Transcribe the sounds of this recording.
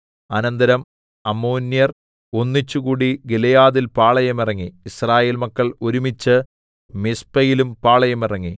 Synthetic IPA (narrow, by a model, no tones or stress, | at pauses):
ɐnɐnd̪ɐɾɐm | ɐmːoːnjɐr | o̞nːit͡ɕːuɣuːɽiɡelɐjaːðilpaːɭɐjɐmirɐŋːiisraːje̞ːlmɐkːɐɭoɾumit͡ɕːɨ | mispɐjilumpaːɭɐjɐmirɐŋːi